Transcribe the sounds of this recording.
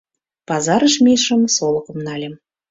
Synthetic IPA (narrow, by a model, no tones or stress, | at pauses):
pɑzɑɾəʃmʲeʃə̆msolˠɤ̆kɤ̆mnɑlʲem